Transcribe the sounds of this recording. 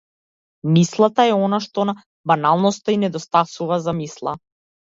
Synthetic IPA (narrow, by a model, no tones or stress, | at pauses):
mislˠat̪aɛɔnaʃt̪ɔna | banalˠnɔst̪ainɛd̪ɔst̪asuvazamislˠa̰